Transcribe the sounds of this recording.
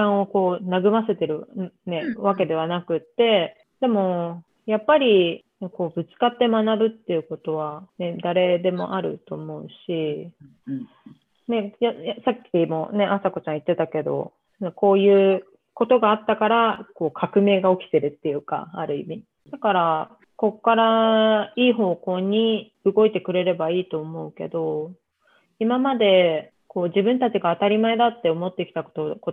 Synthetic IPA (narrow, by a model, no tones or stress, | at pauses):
kãɰ̃o̞ko̞ːnaɡɯ̟mase̞t̪e̞ɾɯ̟ne̞βake̞d̪e̞β̞anakɯ̟t̪ːe̞ | d̪̥e̞mo̞ | japːaɾʲi | ko̞ːbɯ̟t͡sɨ̥kat̪ːe̞manabɯ̟t̪ːe̞jɯ̟ko̞t̪o̞βane̞d̪aɾe̞d̪e̞mo̞̰ʔaɾɯ̟̰t̪o̞mo̞ɯ̟ɕi | ne̞jajasakʲʰːimo̞ne̞ʔasako̞t͡ɕãɰ̃it̪ːe̞t̪ake̞d̪o̞̰ | neko̞ːjɯ̟ː | ko̞t̪o̞ɡaːt̪ːakaɾako̞ːkʰakɯ̟me̞ːɡao̞kʲi̥t̪e̞ɾɯ̟t̪ːe̞jɯ̟ːka̰aɾɯ̟ḭmʲi | d̪̥akaɾa | ko̞kːaɾa | iːɦo̞ːko̞ːɲ̟i | ɯɡo̞it̪e̞kɯ̟ɾe̞ɾe̞baiːt̪o̞ːmo̞ɯ̟ke̞̰d̪o̞ | imamad̪e̞ | ko̞ːʑibɯ̟̃nt̪at͡ɕiɡaːt̪aɾʲimae̞d̪at̪ːe̞o̞mo̞t̪ːe̞kʲi̥t̪ako̥t̪oko